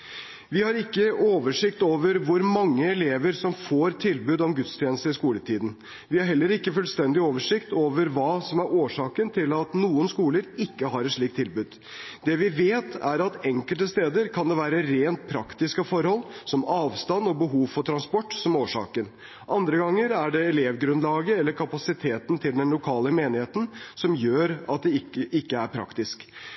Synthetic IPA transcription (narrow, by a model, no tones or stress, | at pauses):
ʋɪhɑɾɪkːəoːʋəʂɪkt̪oːʋəɾʋʊɾmɑŋːəɛleːʋəɾsɔmfoːɾt̪ʰɪlbʉːd̪ɔmɡʉt̪st̪ʰjɛːnəst̪əɾɪskuːlət̪ʰiːd̪n̩ | ʋɪhɑɾɦɛlːəɾɪkːəfʉlst̪ɛnd̪ɪoːʋəʂɪkt̪oːʋəɾʋɑːsɔmæɾoːʂɑːkənt̪ʰɪlɑt̪nuːənskuːləɾɪkːəɦɑɾɛt̪ʂɭiːkt̪ʰːɪlbʉːd̪ | d̪ɛʋɪʋeːt̪ʰæ̰ɾɑt̪ɛŋkəlt̪əst̪eːd̪əɾkʰɑnd̪ɛʋæːɾəɾeːnt̪̚pʰɾɑkt̪ɪskɑfɔɾhɔlsɔmɑːʋst̪ɑnɔbəɦuːʋfɔʈ̪ʰɾɑnspɔʈːsɔmoːʂɑ̰ːkən | ʔɑnd̪ɾəɡɑŋːəɾæɖɛɛleːʋɡɾʉnlɑːɡəɛlːəɾkʰɑpɑsɪt̪ʰeːt̪ən̩t̪ʰɪld̪ɛnlʊkʰɑːləmeːnɪheːt̪n̩sɔmjøːɾɑt̪̚d̪ɛɪkːəʔɪkːəæɾpʰɾɑ̰kt̪ɪsk